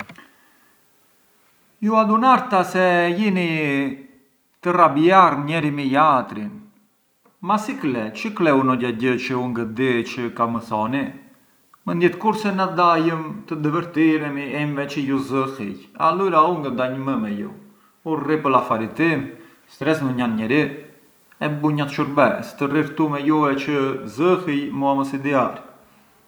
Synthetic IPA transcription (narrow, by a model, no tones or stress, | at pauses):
juad̪unaɾt̪asɛjini | t̪ərabiarɲɛɾimijat̪ɾin | masiklɛt͡ʃəklɛunɔɟaɟət͡ʃəuŋɡəd̪it͡ʃəkaməθɔni | mənd̪jɛt̪kuɾsɛnad̪ajəmt̪əd̪əvəɾt̪iɾɛmiɛnvɛt͡ʃəjuzəhḭja̰luɾauŋɡəd̪aɲəməmɛjṵ | uɾripəlafaɾit̪im | st̪ɾɛsməɲanɲɛɾi | ɛbuɲat̪ʃuɾbɛst̪əriɾt̪umɛjuvɛt͡ʃəzəhijmuaməsid̪iaɾ